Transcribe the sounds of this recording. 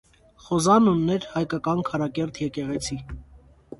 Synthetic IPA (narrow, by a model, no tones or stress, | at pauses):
χɔzɑnunːɛɾhɑjkɑkɑnkʰɑɾɑkɛɾt̪ʰjɛkɛʁɛt͡sʰi